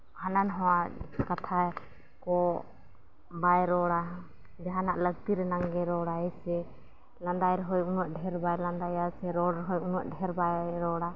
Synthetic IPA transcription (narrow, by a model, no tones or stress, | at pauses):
hananɦɔwakat̪ʰa | kɔ | bajɾɔɽa | d͡ʒaɦanaʔləɡ̚t̪iɾɛnaŋɡɛɾɔɽaɛsɛ | land̪ajɾɔɦɔjunwaʔɖʱɛɾbajland̪ajasɛɾɔɽɾɔɦɔjunaʔɖʱɛɾbajɾɔɽa